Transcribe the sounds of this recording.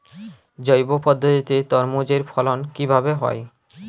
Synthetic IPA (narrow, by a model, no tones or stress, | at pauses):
d͡ʑojbopɔd̪ʱːot̪it̪et̪ɔɾmod͡ʑeɾfʰɔlonkibʱabeɦɔ̰e